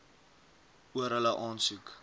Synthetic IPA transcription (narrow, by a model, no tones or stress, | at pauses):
uəɾɦələʔɑːnsʉk